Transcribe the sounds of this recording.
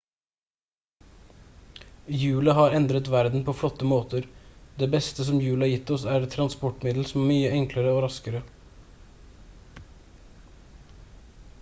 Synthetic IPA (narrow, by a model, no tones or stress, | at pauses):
jʉːlɑɦɑːɾɛnd̪ɾət̪ʋæɾd̪n̩pʰoːflɔt̪ːəmoːt̪əɾd̪eːbɛst̪əsɔmjʉːlɑːjɪt̪ːɔsæːɾt̪ʰɾɑnspɔʈmɪd̪l̩sɔmæmyːəʔɛŋkləɾəoːɾɑskəɾə